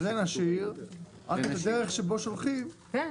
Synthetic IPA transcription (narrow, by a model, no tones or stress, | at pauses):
zenaʃiʁ | ʔa̰kad̪eʁɛχʃeboʃolχim